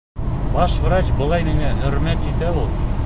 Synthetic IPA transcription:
bɑʃvɾɑt͡ɕbɤ̆lˠɑjmiŋæɦɵ̆ɾmæt̪it̪æulˠ

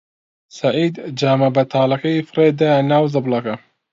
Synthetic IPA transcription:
sɐʕiːd̪d͡ʒaːmɐbɐt̪ʰaːlɐkɐjfɨreːd̪anaːwzɨblˠɑkɐ

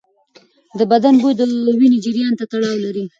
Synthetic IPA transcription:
d̪əbad̪anbojd̪əwined͡ʒɪɾjɑnt̪at̪aɽɑwlaɾi

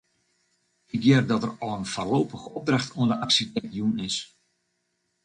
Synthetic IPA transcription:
ɪkjɛrdɔtərɔlˠənfarlowpəxəɔp̚draxtʰuəndəʔaksitɛdjunɪs

